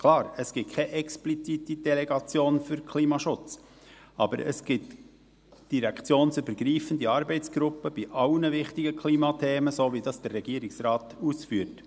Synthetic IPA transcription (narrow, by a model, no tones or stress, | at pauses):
kʰlɑːɾəsɡ̥ɪt̚kʰɛʔɛksplit͡sitid̥ɛlɛɡɑt͡sjoːnfyɾkʰliːmɑʃʊt͡s | ʔɑbə̰ɾə̰sɡ̥ɪt | d̥iɾɛkt͡sjoːnsybəɾɡɾiːfən̩diɑɾbɛɪt͡sɡ̥ɾʊpːəb̥iʔɑlnəvɪχtɪɡəkʰliːmɑtʰeːməsoːʋidɑsd̥ərːɛɡ̥iːɾɪksrɑːt̪usfyːt